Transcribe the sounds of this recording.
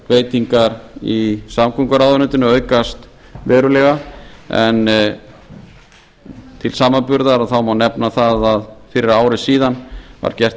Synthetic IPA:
veːjt̪iŋkaɾisamkʰʏŋkaɾawðʏɾnʏt̪ɪnʏœːɥkast̪ | vɛːɾʏlɛɣaɛn | t̪ʰɪlsaːmanpʏɾðaɾaðθawmawnɛpnaθaðaðfɪɾɪɾaːwɾɪsiːðanva̰ɾ̥cɛr̥t̪

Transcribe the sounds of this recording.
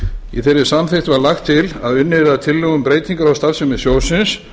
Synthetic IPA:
iθejɾɪ̥samθeht̪vaɾlaxt̪ʰːɪlaðʏnːɪɾat̪ʰɪlːœɣʏmpɾeːjt̪iŋkaɾawst̪aɾsɛmɛsjoːwsɪns

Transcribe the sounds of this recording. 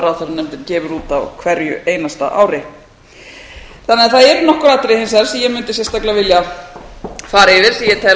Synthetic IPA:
ɾawθɛɾnɛmt̪ɪɾcɛːvʏɾuːt̪awkʰvɛɾjʏ̰ʔeːjnast̪a̰ʔa̰ːwɾɪ | θanːɪaθaðɛɾnɔhkʏɾat̪ɾɪhejnsaɾ̥sɛjɛmʏnt̪ɪsjɛst̪aklavɪlja | faːɾɪvɪɾ̥θijɛt̪ʰɛ

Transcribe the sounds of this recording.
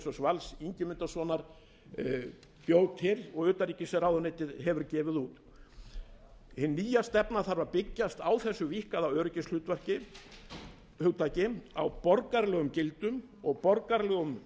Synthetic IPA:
sɔsvalsiɲcɪmʏnt̪asvɔːnaɾ̥ | pjoːwt̪hɪɾɔɣʏːt̪aɾiːcɪsɛɾawðɔnejt̪ɪðhɛvʏɾcɛːvɪðuːt̪ | hɪnːiːjast̪ɛpnaθaɾvaɾpɪcːast̪aːwθɛsːʏvihkaðawœːɾʏcɪnsl̥ʏːt̪vɛr̥cɪ | hʏwt̪ːacɪawpɔɾkaɾlɛːɣʏmcɪlt̪ʏm | ɔɣpɔɾkaɾlɛːɣʏm

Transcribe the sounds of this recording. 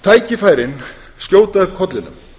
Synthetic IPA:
t̪ʰaːjcɪfaːjɾɪn | skjoːwt̪aðkʰɔt̪lɪnːʏ̰m

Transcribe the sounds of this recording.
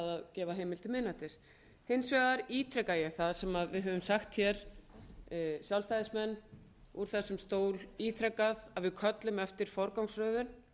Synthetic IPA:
ðaðcɛːvaɦeːjmɪlt̪ɪmɪðnat̪ɪs | hejnsvɛɣðaɾiːt̪ʰɾɛkajɛɣθaðsɛmaðvɪðɦœvʏmsaxt̪çɛɾ | sjawlst̪ajðɪsmɛnː | uɾ̥θɛsːʏmst̪oːwɾiːt̪ʰɾɛkaðaðvɪðkʰœt̪lʏmɛft̪ɪɾ̥fɔɾkawŋsrœːðʏn

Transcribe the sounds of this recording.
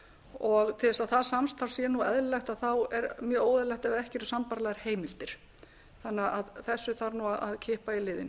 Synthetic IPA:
ɔɣt̪ʰɪlðɛsaðθasamst̪ʰaɾ̥sjɛnuɛðllɛxt̪aðθawɛɾmjœːoːwðɪlɛxt̪ɛvaɛhcɪɾʏsampaɾlɛɣaɾ̥heːjmɪlt̪ɪɾ̥ | θanːɪaaðθɛsːʏθaɾnuaðaðcʰɪːhpailɪːðɪn

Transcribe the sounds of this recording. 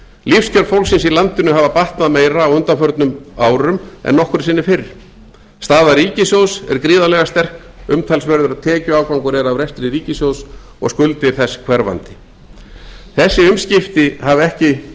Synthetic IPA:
lifscʰœɾfowlksɪnsilant̪ɪnʏɦaːvapaht̪naðmeːjɾaːwʏnt̪anfœɾt̪nʏmaːwɾʏmɛ̰nːɔhkʏɾsɪːnːɪfɪɾ | st̪aːðaɾiːcɪsjowsɛ̰ɾkɾiːðalɛɣast̪ɛr̥kʏmt̪ʰalsvɛɾðʏɾaðt̪ʰɛːcʏaːwkvawŋkʏɾɛɾawvɾɛst̪ɪɾɪɾiːcɪsjows | ɔ̰ɣskʏlt̪ɪɾ̥θɛsːkʰv̥ɛɾva̰nt̪ɪ̥ | θɛsːɪʏmscɪft̪ɪhavɛhcɪ

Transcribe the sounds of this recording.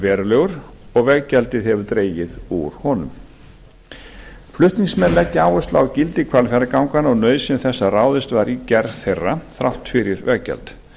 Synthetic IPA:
vɛːɾʏlœɣʏɾ̥ | ɔɣvɛɣcɛlt̪ɪðhɛvʏɾt̪ɾeːjɪðuɾ̥hɔnʏ̰m | flʏht̪niŋsmɛnlɛcːaːwɛst̪la̰ːwcɪlt̪ɪkʰvalfɛɾakawŋkanɔɣnœːɥðsɛmθɛsːaraːwðɪst̪vaɾicɛɾðθejrːaθɾawht̪fɪɾɪɾvɛɣcɛ̰lt̪

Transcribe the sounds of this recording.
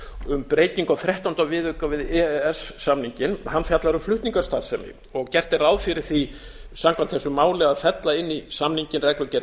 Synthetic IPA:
ʏmpɾeːjt̪iŋkawθɾɛht̪awnt̪avɪðʏkavɪðɛɛɛsːamniɲcɪnhanːfjat̪laɾʏmflʏht̪niŋkḁst̪aɾ̥sɛmnɪ̰ | ɔɣcɛr̥t̪ɪɾawðfɪɾɪɾ̥θi | samkʰant̪θɛsːʏmaːwlɪaðfɛt̪laɪnːisamniɲcɪnrɛklʏcɛɾ

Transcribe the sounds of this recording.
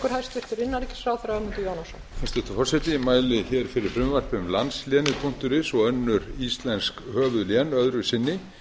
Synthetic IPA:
kʏɾ̥hajst̪ɪɾ̥t̪ɪɾɪnːaɾɛcɪ̥sfɾaːwθɛɾamʏnt̪ʏjaːwnasɔnfanst̪ɛht̪ʏfɔrsɛt̪ɪmaːjlɪçɛːɾ̥fɪɾɪɾ̥fɾʏmvar̥pmlansljɛːnɪpʰuŋ̥t̪ʏɾɪsɔɣœnːʏɾist̪lɛnskhœːvʏðljɛnœðɾʏsɪnːɪ

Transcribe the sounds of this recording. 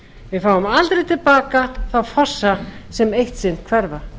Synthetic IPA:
vɪfaːwʏmalt̪ɾejt̪ʰɪlpaːkaθawfɔ̥sːasɛmejht̪sɪnt̪kʰvɛɾva

